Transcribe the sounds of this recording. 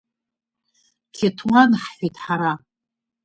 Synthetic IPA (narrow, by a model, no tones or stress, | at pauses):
kʲʰetʰwanħħʷitʰʼħaɾa